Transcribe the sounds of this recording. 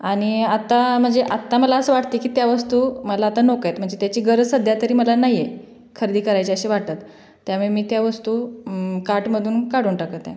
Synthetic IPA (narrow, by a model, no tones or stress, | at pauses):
aɽ̃iat̪am̤əɳd͡zeʔat̪ːaməlaəsəʋaʈt̪ikiːt̪jaʋəst̪uːməlaːt̪anokajt̪m̤əɳd͡zet̪jat͡ɕiːɡəɾsəd̪ʱjat̪əɾiːməlanaɦje | kʰəɾid̪iːkəɾajt͡ɕeəɕiʋaɽt̪at̪ː | jamuɭemiːt̪jaʋəst̪uːkaʈməd̪ʱuːnkaɽ̤uːnʈakət̪jɛ̰̃